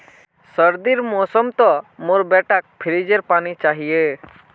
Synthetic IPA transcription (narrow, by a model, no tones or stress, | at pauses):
səɾd̪iɾmɔːsəmt̪ɔmoɾbɛːʈʰak̚pʰɪɾid͡ʒeɾpaːnit͡ʃaːɦije